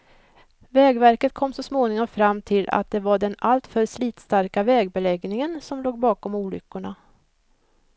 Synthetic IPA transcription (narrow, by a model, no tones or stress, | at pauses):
vɛːɡvæɾkət̪̚kʰɔmːsɔsmoːnɪŋɔmfɾamːt̪ʰɪla̰t̪̚d̪ɛvaɖɛnalt̪fœɾsliːt̪st̪aɾkavɛːɡbɛlɛɡnɪŋənsɔmloːɡ̚bɑːkɔmuːlʏ̰kːʊɳa